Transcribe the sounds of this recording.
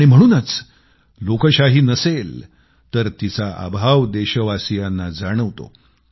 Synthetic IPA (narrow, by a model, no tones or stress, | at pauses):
ɽ̃im̤əɽ̃uːnət͡s | lokəɕaɦiːnəsel | t̪əɾt̪it͡saʔa̰bʱaʋd̪eɕəʋasijanːad͡zaɽ̃əʋt̪o̰